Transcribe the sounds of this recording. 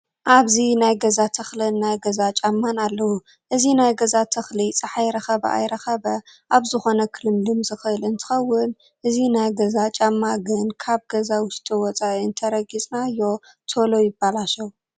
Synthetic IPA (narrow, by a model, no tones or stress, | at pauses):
ʔaβzinajɡɐzat̪ʰɐxlɨnːajɡɐzat͡ʃʼamːanalːɐwu | ʔɨzinajɡɐzat̪ʰɐxlit͡sʼɐħajɾɐxɐbɐa̰jɾɐxɐbɐʔaβzɨxo̞nɐkʰɨlɨmlɨmzɨxɨʔɨlɨnt̪ʰɨ̥xɐwːɨn | ʔɨzinajɡɐzat͡ʃʼamːaɡɨnkʰaβɡɐzawʊʃt̪ʼiwɔt͡sʼaʔiɨnt̪ʰɐɾɐɡit͡sʼnaɨjːo̞ | t̪ʰolo̞jɪbːalaʃɐw